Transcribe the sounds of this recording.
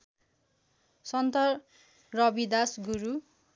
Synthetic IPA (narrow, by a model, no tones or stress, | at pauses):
sʌnt̪ʌr | rʌbid̪asɡuɾu